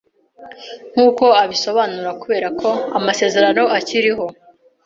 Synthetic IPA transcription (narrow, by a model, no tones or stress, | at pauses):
ŋ̥huːko̞aβiso̞βaːnuɾakuβe̞ːɾakʰo̞amase̞ːze̞ɾano̞aciɾiɦo̞